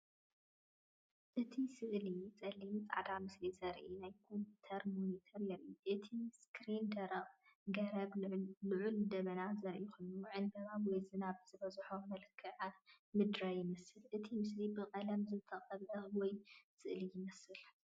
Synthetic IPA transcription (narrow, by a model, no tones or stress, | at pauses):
ʔɨt̪ʰisɨʔlit͡sʼɐlːimt͡sʼa̰ʕd̪amɨslisɐɾʔinajkʰo̞mpʰut̪ʰɐɾmonit̪ʰɐɾjɐɾʔiʔɨt̪ʰiskʰɾind̪ɐɾɐqʼɡɐɾɐβlɨʕuld̪ɐβɐnazɐɾʔixojnuʕɨnd̪ɐβawɔjzɨnaβz̥ɨbɐzħomɐlɨkʰːɨʕamɨd̪ɾajɪmɐsɨlʔɨt̪ʰimɨs̬libɨqʼɐlɐmzɨt̪ʰɐqʼɐβʕɨwɔjsɨʔlijɪmɐsɨl